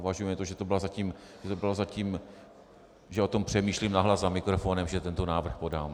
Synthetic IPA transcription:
vaʒujɛmɪt̪oʒɛt̪obɪlazaciːmʒ̥ɛt̪obɪlozaciːm | ʒɛo̞t̪o̞mpr̝̥ɛmiːʃlimnaɦlazzamɪkɾofo̞nɛmʒɛt̪ɛnt̪o̞naːvr̩xpodaːm

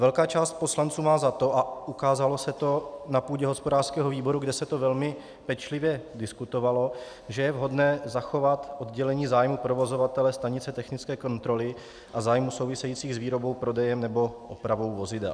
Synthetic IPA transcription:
vɛlkaːt͡ʃaːst̪̚po̞slant͡suːmaːzat̪o̞ʔaʔukaːzalosɛt̪o̞napuːɟɛɦo̞spodaːr̥skɛːɦoviːbo̞ɾuɡdɛsɛt̪o̞vɛlmɪ | pɛt͡ʃlɪvjɛdɪskut̪o̞valo̞ | ʒɛjɛvɦo̞dnɛːzaxo̞vat̪ʔo̞d̪ɟɛlɛɲiːzaːjmupɾovo̞zovat̪ɛlɛst̪aɲɪt͡sɛt̪ɛxnɪt͡skɛːko̞nt̪ɾo̞lɪ | ʔazaːjmusowvɪsɛjiːt͡siːɣzviːɾo̞bo̞wpɾo̞dɛjɛmnɛbo̞ʔopɾavo̞wvo̞zɪdɛ̰l

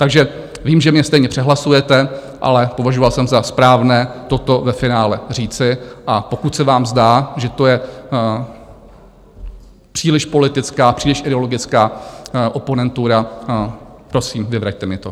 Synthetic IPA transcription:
t̪aɡʒɛ | viːmʒɛmɲɛst̪ɛjɲɛpr̥ɛɦlasujɛt̪ɛ | ʔa̰lɛpo̞vaʒovalsɛmzaspɾaːvnɛːt̪o̞t̪o̞vɛfɪnaːlɛr̝iːt͡sɪʔapokut̪sɛvaːmzdaːʒɛt̪o̞jɛ | pr̥iːlɪʃpo̞lɪt̪ɪt͡skaːpr̥iːlɪʃʔɪdɛo̞lo̞ɡɪt͡skaːʔo̞po̞nɛnt̪uɾa | pɾo̞siːmvɪvɾact̪ɛmɪt̪o̞

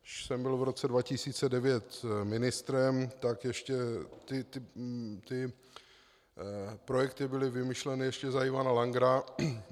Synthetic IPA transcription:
ʃsɛmbɪlvɾo̞t͡sɛdvacɪsiːt͡sɛdɛvjɛt̪mɪnɪst̪ɾɛmt̪akjɛʃcɛt̪ɪt̪ɪt̪ɪ | pɾojɛkt̪ɪbɪlɪvɪmɪʃlɛnɪjɛʃcɛzaimanalaŋɡɾa

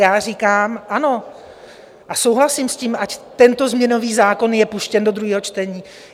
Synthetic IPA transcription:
jaːr̝iːkaːmʔano̞ | ʔaso̞wɦlasiːmsciːmʔact̪ɛnt̪o̞zmɲɛno̞viːzaːko̞njɛpuʃcɛndo̞d̪ɾuɦiːɦo̞t͡ʃt̪ɛɲiː

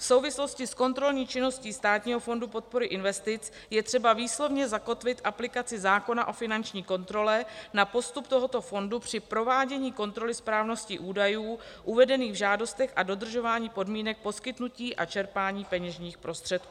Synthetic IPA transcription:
fso̞wvɪslo̞scɪsko̞nt̪ɾo̞lɲiːt͡ʃɪno̞sciːst̪aːt̪ɲiːɦo̞fo̞ndupo̞t̪̚po̞ɾɪʔɪnvɛst̪ɪt͡s | jɛt̪r̝̥ɛbaviːslo̞vɲɛzako̞t̪vɪt̪ʔaplɪkat͡sɪzaːko̞naʔo̞fɪnant͡ʃɲiːko̞nt̪ɾo̞lɛnapo̞st̪upt̪o̞ɦo̞t̪o̞fo̞ndupr̝̥ɪpɾo̞vaːɟɛɲiːko̞nt̪ɾo̞lɪspɾaːvno̞scɪʔuːdajuːʔuvɛdɛniːɣvʒaːdo̞st̪ɛxʔado̞d̪r̩ʒo̞vaːɲiːpo̞dmiːnɛk̚po̞skɪt̪nuciːʔat͡ʃɛɾpaːɲiːpɛɲɛʒɲiːxpɾo̞st̪r̝̥ɛt̪̚kuː

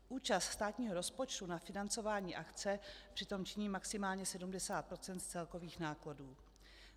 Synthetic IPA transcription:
ʔuːt͡ʃast̪st̪aːt̪ɲiːɦo̞ɾo̞spo̞t͡ʃt̪unafɪnant͡so̞vaːɲiːʔakt͡sɛpr̥ɪt̪o̞mt͡ʃɪɲiːmaksɪmaːlɲɛsɛdumdɛsaːt̪̚pɾo̞t͡sɛnt̪t͡sɛlko̞viːxnaːkladuː

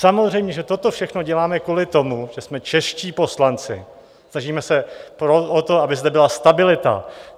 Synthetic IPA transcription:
samozr̝ɛjmɲɛʒɛt̪o̞t̪o̞fʃɛxno̞ɟɛlaːmɛkuːlɪt̪o̞muʒ̥ɛsmɛt͡ʃɛʃciːpo̞slant͡sɪ | snaʒiːmɛsɛpɾoot̪o̞abɪzd̪ɛbɪlast̪abɪlɪt̪a̰

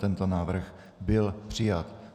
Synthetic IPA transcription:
t̪ɛnt̪onaːvr̩x | bɪlpr̝̥ɪjat̪

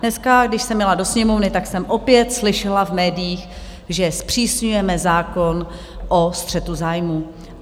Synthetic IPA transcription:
nɛskaɡdɪʃsɛmjɛlado̞sɲɛmo̞vnɪt̪aksɛmʔo̞pjɛt̪slɪʃɛlavmɛːdɪjiːx | ʒɛspr̝̥iːsɲujɛmɛzaːko̞n | ʔost̪r̝̥ɛt̪uzaːjmu

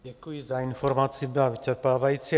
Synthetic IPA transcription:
ɟɛkujizainfoɾmat͡sibɪlavɪt͡ʃɛɾpaːvajit͡si

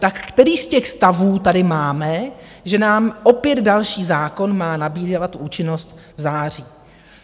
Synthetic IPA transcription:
t̪akːt̪ɛɾiːscɛxst̪avuːt̪adɪmaːmɛʒɛnaːmʔo̞pjɛd̪dalʃiːzaːko̞nmaːnabiːzat̪uːt͡ʃɪno̞st̪vzaːr̝iː

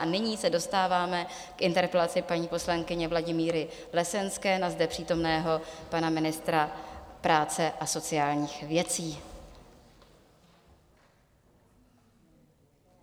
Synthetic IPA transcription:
anɪɲiːsɛdo̞st̪aːvaːmɛ | kʔɪnt̪ɛɾpɛlat͡sɪpaɲiːpo̞slaŋkɪɲɛvlaɟɪmiːɾɪ | lɛsɛnskɛːnazdɛpr̥iːt̪o̞mnɛːɦo̞panamɪnɪst̪ɾapɾaːt͡sɛʔaso̞t͡sɪaːlɲiːxvjɛt͡siː

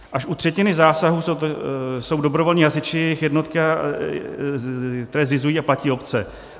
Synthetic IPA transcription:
ʔaʃʔut̪r̝̥ɛcɪnɪzaːsaɦuːs | so̞wdo̞bɾo̞volɲiːɦasɪt͡ʃɪjɛxjɛdno̞t̪ka | kt̪ɛɾɛːzɪzujiːaplaciːo̞pt͡sɛ

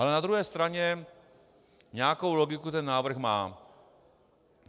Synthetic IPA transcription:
ʔalɛnad̪ɾuɦɛːst̪ɾaɲɛ | ɲɛakowloɡɪkut̪ɛnːaːvr̩xmaː

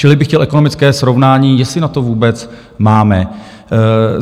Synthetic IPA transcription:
t͡ʃɪlɪbɪxcɛlʔɛko̞nomɪt͡skɛːsɾo̞vnaːɲiːjɛsɪnat̪ovuːbɛt͡s | maːmɛ

